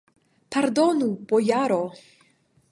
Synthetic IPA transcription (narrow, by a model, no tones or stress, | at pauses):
pʰaɾd̪ɔnub̥ɔjaɾo